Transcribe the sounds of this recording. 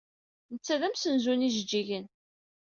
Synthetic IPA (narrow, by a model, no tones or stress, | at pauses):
nət͡sːæðæmsənzuniʒəd͡ʒːiʝən